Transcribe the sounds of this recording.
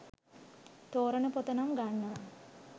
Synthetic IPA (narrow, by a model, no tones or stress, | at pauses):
t̪oːɾənəpot̪ənamɡanːa